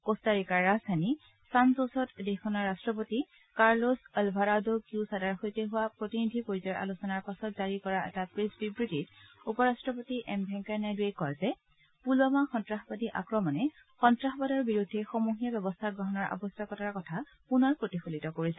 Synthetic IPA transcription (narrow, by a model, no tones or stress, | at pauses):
kostaɹikaɹːazdʱani | sanzosɔtdexɔnaɹːastɹɔpoti | kaɹlosɔlbʱaɾadokusadaɹxojteɦʊwapɹotinidʱipoɹizɔɹʔa̰lusɔnaɹpasɔtzaɹikɔɹaʔɛ̰tapɹesbibɹitit | upɔɹastɹɔpotiʔɛmbʱɛŋkanajduekɔɹzɛ | pulɔmaxɔntɹaxbadiʔa̰kɹɔmɔnɛ | xɔntɹaxbadɔɹbiɹudʱːɛxɔmuɦijabɛbɔstʰaɡɹɔɦɔnɔɹʔa̰bɔstʰakɔtaɹkɔtʰa | punɔɹpɹotixulitɔkoɹisɛ